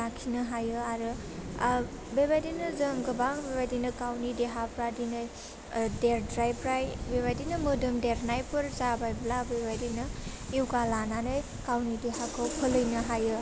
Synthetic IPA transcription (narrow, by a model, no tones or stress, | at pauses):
akʰinɯɦajɯaɾɯ | bebajdinɯzəŋɡɯbaŋbebajdinɯkawnideɦapɾadinɯj | deɾdɾajpɾajbebajdinɯmɯdɯmdeɾnajpɯɾzabajblabebajdinɯiwɡalananɯj | kawnideɦakʰɯwpʰəlɯjnɯɦajɯ